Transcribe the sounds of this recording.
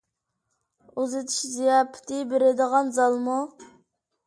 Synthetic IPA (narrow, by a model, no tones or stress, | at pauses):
uzɨt̪ʰɨ̥ʃzijɑːpʰɪ̥t̪ʰɪbeɾɪd̪əʁɑnzɑlˠmu